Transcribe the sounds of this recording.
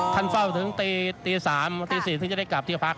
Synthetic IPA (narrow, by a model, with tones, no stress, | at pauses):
k̪ʰa˥˩nfa˥˩wt̪ʰɯ˩˦ŋt̪iː˧t̪iː˧saː˩˦mt̪iː˧siː˨˩ɯ˥˩ŋt͡ɕa˧˩da˥˩jkla˨˩p̚t̪ʰi˥˩pʰa˦˥k̚